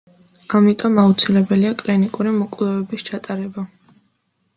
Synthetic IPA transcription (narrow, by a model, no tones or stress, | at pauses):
amit̪ʼɔmaut̪sʰilɛbɛliakʼlinikʼuɾimɔkʼlˠɔvɛbist͡ʃʰat̪ʼaɾɛba